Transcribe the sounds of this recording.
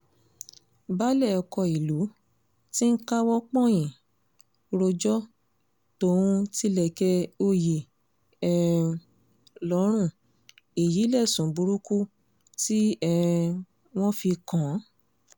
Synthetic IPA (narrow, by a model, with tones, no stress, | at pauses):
ba˦lɛ˦˨ɔ˧kɔ˧˨i˨lu˨˦ | ti˦ka˦wɔ˦k͡pɔ̃˦˨j̃ĩ˨ | ɾo˧d͡ʒɔ˦ | to˧˦ũ˧ti˦lɛ˧˨kɛ˧o˧je˨ | ɛ˦ | lɔ˨˦ɾ̃ũ˦˨ | e˨ji˨˦lɛ˦˨sũ˨˦bu˨˧ɾu˦ku˦ | ti˦ɛ˧ | w̃ɔ̃˦fi˧kã˨˦